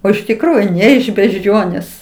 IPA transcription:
oː ɪʃ tʲɪkˈruːjʊ ˈnʲɛ ɪʃ bʲɛʒʲˈd͡ʒʲoːnʲeːs

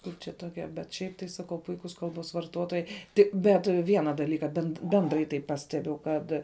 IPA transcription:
ˈkʊr t͡ʃʲɛ toːˈkʲɛ bʲɛt ˈʃʲɛɪp tɐɪ sɐˈkɐʊ ˈpʊɪkʊs ˈkɐlˠboːs ʋɐrˈtoːtoːjɛɪ ˈtʲɪk ˈbʲɛt ˈʋʲiɛnɐ dɐˈlʲiːkɐ bʲɛnt ˈbʲɛndrɐɪ tɐɪ ˈpɑːsʲtʲɛbʲʊ ˈkɐt

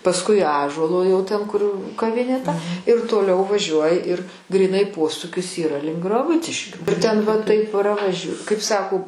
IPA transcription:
pɐsˈkʊɪ ˈɑːʒuɔlˠoː jɛʊ tʲɛn kʊr kɐˈʋʲɪnʲeː tɐ ɪr toːˈlʲɛʊ ʋɐˈʒʲuɔjɪ ɪr ɡrʲiːˈnɐɪ ˈpoːsuːkʲɪs iːˈrɐ lʲɪŋk ɡrɐˈbʊt͡sʲɪʃʲkʲuː ɪr ˈtʲɛn ʋɐ ˈtɐɪp prɐʋɐʃʲ kɐɪp ˈsɑːkoː

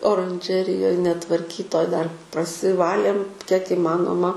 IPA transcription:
oːrɐnʲˈʒʲæːrʲɪjoːj nʲɛtʋɐrʲˈkʲiːtoːj dɐr prɐsʲɪˈʋɑːlʲeːm kʲiɛk iːˈmɑːnoːmɐ

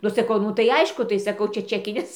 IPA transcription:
nʊ sɐˈkɐʊ ˈnʊ tɐɪ ˈɐɪʃkʊ tɐɪ ˈsɑːkɐʊ ˈt͡ʃʲɛ ˈt͡ʃʲæːkʲɪnʲɪs

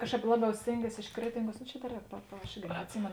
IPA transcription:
ˈkɑːʃˌkɑːp ˈlˠɑːˌbʲɛʊ ˈsʲtʲeːŋʲˌɡʲiɛs ɪʃ ˈkrʲæːtʲɪŋˌɡuɔs noː t͡ʃʲɛ dɐ ˈrʲɛːk pɐ pɐ ɐʃ ˈɪrʲɡʲɪ nʲɛɐtʲˈsʲɪmʲeːnoː

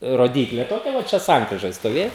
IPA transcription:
roːˈdʲiːklʲeː toːˈkʲɛ ʋɐ ˈt͡ʃʲɛ ˈsɐŋkrʲɪʒoːj stoːˈʋʲeː

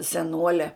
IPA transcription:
sʲɛˈnuɔlʲɛ

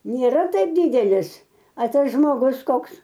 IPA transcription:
nʲeːˈrɐ ˈtɐɪp ˈdʲiːdʲɛlʲɪs ɐ ˈtɐs ʒmoːˈɡʊs ˈkoːks

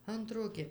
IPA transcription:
ˈɐntroː ɡʲɪ

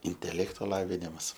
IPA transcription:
ɪnʲtʲɛˈlʲæːktoː ˈlˠɑːʋʲɪnʲɪmɐs

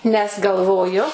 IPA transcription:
nʲɛs ɡɐlˠˈʋoːjʊ

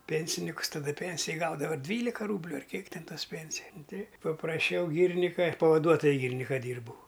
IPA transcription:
ˈpʲɛnʲsʲɪnʲɪkʊs tɐˈdʊ ˈpʲɛnʲsʲɪjɛ ˈɡɐʊdɐʋɐ ˈdʲʋʲiːlʲɪkɐ ˈruːbʲlʲʊ ɐr ˈkʲiɛk ˈtʲɛn ˈtoːs ˈpʲɛnʲsʲɪjɛ nʊ tɐɪ pɐprɐˈʃʲɛʊ ˈɡʲiːrʲnʲɪkɐ ˈpɑːʋɐduɔtoːjʊ ˈɡʲiːrʲɪnʲɪkɐ ˈdʲiːrbɐʊ

